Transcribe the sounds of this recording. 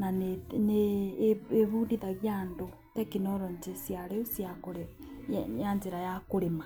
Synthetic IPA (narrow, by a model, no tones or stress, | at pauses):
nanene | eβuːndiðaɣjando | tɛkinɔɾɔɲd͡ʒesjaɾeosjakoɾejjaɲd͡ʒeɾajakoɾema